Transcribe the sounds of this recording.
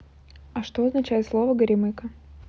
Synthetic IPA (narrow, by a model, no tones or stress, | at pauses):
ɐʂt̪o̞ɐznɐt͡ɕæjɪt̪slˠo̞vəɡəɾʲɪmɨkə